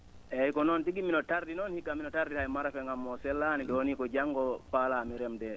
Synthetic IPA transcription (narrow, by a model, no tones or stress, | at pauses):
ɛjkɔnɔntiɡiminɔtaɾdinɔnhikːaminɔtaɾdihajmaɾafɛŋɡamːɔsɛlːanidɛwonikɔd͡ʒaŋɡɔpaːlaːmiɾɛmdɛ